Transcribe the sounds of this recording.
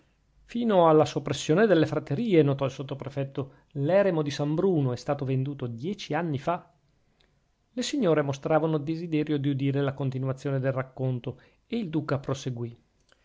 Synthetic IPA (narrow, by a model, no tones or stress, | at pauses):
fiːnoalːasopːɾesːjoːned̪elːefɾat̪ːeɾiːenot̪ɔilsot̪ːopɾefɛt̪ːo | lɛːɾemod̪isambɾuːnoɛst̪aːt̪ovend̪uːt̪od̪jɛːt͡ʃianːifa | lesiɲːoːɾemost̪ɾaːvanold̪ezid̪ɛːɾjod̪iud̪iːɾelakont̪inwat̪sːjoːned̪elrakːont̪o | eild̪uːkapɾoseɡwi